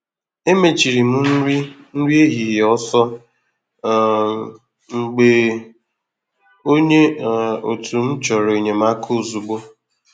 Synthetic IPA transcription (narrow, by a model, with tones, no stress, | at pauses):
e˦me˨t͡ʃi˨ɾi˨mu˦i˦ | n̩˦ɾi˦e˦ɦi˨ɦjɔ˦sɔ˦˨ | ŋ͡m̩˨ɡ͡be˨ | o˦ɲe˦˨o˨tʰu˨m̩˦t͡ʃɔ˨ɾo˨ɲe˨m˦a˦kʰo˦˨zu˨ɡ͡bo˦